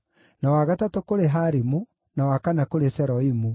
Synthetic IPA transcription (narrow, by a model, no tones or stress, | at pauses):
nawaɣatatokoɾeɦaɾimu | nawakanakoɾesɛɾɔimu